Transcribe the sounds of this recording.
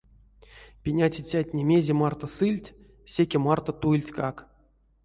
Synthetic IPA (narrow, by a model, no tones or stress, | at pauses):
pʲinʲat͡sʲit͡sʲatʲnʲemʲezʲemart̪osɨlʲtʲ | sʲekʲemart̪ot̪ulʲtʲkak